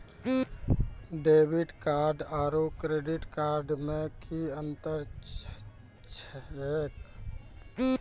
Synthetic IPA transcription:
ɖeːbiʈkaɾɖaːɾokɾeɖiʈkaɾɖmẽkiənt̪əɾ | t͡ʃʰek

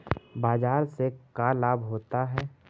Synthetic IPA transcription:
baːd͡ʒaːɾsekalaːbɦoːt̪aɦɛː

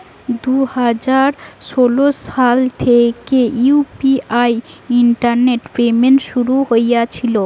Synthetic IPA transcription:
d̪uhad͡ʑaɾsolosalt̪ʰekeupiajiɳʈaɾneʈfemenʃuɾuɦojjat͡ɕʰilo

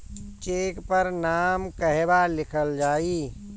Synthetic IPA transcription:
t͡ʃeːkpəɾnaːmkəɦɛbalɪkʰəld͡ʒaːiː

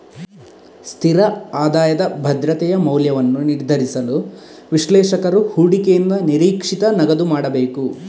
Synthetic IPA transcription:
st̪ʰiɾɐaːd̪aːjɐd̪ɐbʱɐd̪ɾɐt̪ɛjɐmɐwljɐʋɐnːuniɾd̪ʱɐɾisɐlu | ʋiʃlɛːʃɐkɐɾuhuːɽikejind̪ɐniɾiːkʂit̪ɐnɐɡɐd̪umaːɽɐbeːku

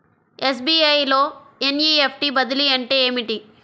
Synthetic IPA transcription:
es̬biːɐjlo̞ːenjiːepʰʈibɐd̪iliɐɳʈeːeːmiʈi

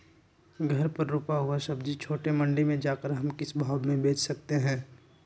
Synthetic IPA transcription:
ɡʱɐɾpɐɾːuːpaɦuasɐbd͡ʒit͡ʃʰoːʈemɐ̃ɳɖimẽd͡ʒaːkəɾɦɐmkɪsbʱaːbmẽbeːt͡ʃʰsɐk̚t̪eɦɛ̃ː

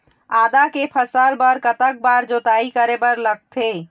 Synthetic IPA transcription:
aːd̪akepʰəsəlbəɾkət̪ək̚baɾd͡ʒot̪aikəɾebəɾləɡ̚t̪ʰe

